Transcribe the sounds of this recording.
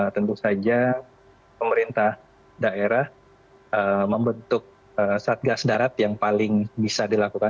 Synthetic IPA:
t̪ənt̪usad͡ʒa | pəməɾint̪ah | daeɾah | əmːəmbənt̪ʊk̚ | əsat̪̚ɡasdaɾat̪jaŋpalɪŋbisadilakuka

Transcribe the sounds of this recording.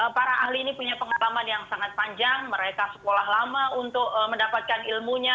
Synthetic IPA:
əpaɾaahliːnipuɲapəŋalamanjaŋsaŋat̪̚paɲd͡ʒaŋməɾekasə̥kolahlamaunt̪ʊk̚məndapat̪̚kanilmuɲa

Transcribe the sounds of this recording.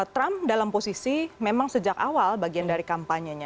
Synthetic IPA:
t̪ɾamdalamposisimemaŋsəd͡ʒakawalbaɡiandaɾikampaɲəɲa

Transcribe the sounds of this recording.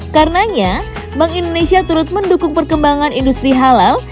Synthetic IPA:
karənaɲa | baŋindonesiat̪uɾʊt̪̚məndukʊŋpərkəmbaŋanindust̪ɾiɦalal

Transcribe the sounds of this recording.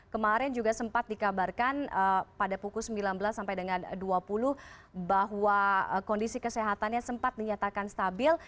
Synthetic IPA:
kəmaɾɛnd͡ʒuɡasəmpat̪̚dikabarkanəpadapukʊlsəmbilanbəlasːampajdəŋanduapuluhbaɦwaəkɔndisikəseɦat̪anɲasəmpat̪̚diɲat̪akanst̪abɪl

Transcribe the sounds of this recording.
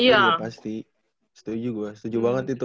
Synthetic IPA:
ijapast̪i | sə̥t̪ud͡ʒuɡuasə̥t̪ud͡ʒubaŋət̪it̪u

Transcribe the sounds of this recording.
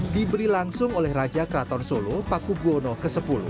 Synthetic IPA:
d̪ibəɾilaŋsʊŋolɛhrad͡ʒakɾat̪ɔrsolopakubuonɔkəsəpulʊ̰h

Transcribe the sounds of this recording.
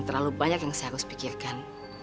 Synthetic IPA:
ŋt̪ərlalubaɲakjaŋsajakʊspikirkan

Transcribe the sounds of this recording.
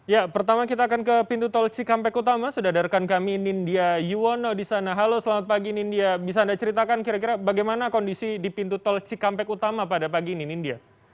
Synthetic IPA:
japərt̪amakit̪̬aːkankəpint̪ut̪ɔlt͡ʃikampɛkut̪amasudadarkankaminindiajuwonodisanaɦalosəlamat̪̚paɡinindiabis̬aːndat͡ʃəɾit̪akankiɾakiɾabaɡajmanakɔndisidipint̪ut̪ɔlt͡ʃikampɛkut̪amapadapaɡininindia

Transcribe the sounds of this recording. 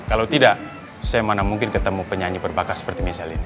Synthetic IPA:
kalawt̪idaʔ | sajamanamuŋkɪnkət̪əmupəɲaɲibərbakasə̥pərt̪imisalini

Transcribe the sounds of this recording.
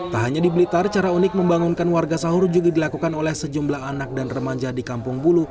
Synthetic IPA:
t̪aɦaɲadibəlit̪art͡ʃaɾaunɪk̚məmbaŋunkanwarɡasaɦʊrd͡ʒuɡadilakukanolɛhsəd͡ʒumblaɦanak̚danrəmaɲd͡ʒahdikampʊŋbulu

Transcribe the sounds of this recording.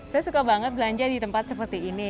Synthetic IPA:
sajasukabaŋət̪̚bəlaɲd͡ʒadit̪əmpat̪səpərt̪iːni

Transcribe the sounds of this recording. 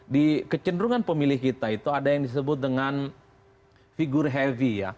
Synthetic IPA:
dikət͡ʃəndɾuŋanpəmilɪhkit̪ait̪uadajaŋdis̬əbʊt̪̚dəŋan | fiɡʊrɦɛvija̰

